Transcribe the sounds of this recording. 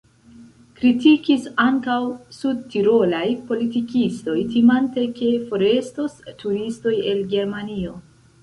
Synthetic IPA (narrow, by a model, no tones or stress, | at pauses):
kɾitikisaŋkawsud̚tiɾo̞lajpo̞litikisto̞jtimante̞ke̞fo̞ɾe̞stostʰuɾisto̞je̞lɡe̞ɾmanio̞